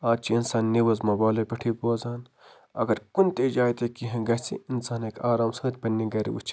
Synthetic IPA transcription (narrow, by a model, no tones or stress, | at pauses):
aːt͡ʃʰiinsaːnːiwɐzmɐbaːlɐpɐʈʰipoːzaːn | ɐ̰ɡɐɾkunt̪ed͡ʒaːjt̪ekiɦẽɡɐsḭinsaːnekʰaːɾaːmsɐːt̪̚ʲbɐnːiɡɐɾḭṵt͡ʃʰi̥